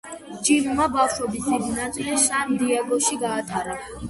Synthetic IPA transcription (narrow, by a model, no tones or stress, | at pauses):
t͡ʃʼimmabafʃɔbisʰid̪nat̪ʼsand̪iaɡɔʃiɡaːt̪ʰaɾa